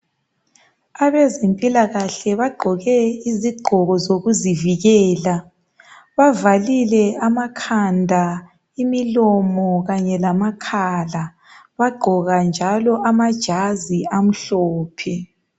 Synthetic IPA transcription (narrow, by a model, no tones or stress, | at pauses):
aβɛzempʼilaɣaɬɛβaɡ͡ǃʱɔɣɛiziɡ͡ǃʱɔɣɔzoɣuziviɣɛːla | βavalilɛamakʰandʱa | imilɔmɔɣaɲɛlamakʰaːla | βaɡ͡ǃʱɔɣand͡ʒʱalɔʔamad̥ʒ̥ʱaziam̩ɬɔːpʰɛ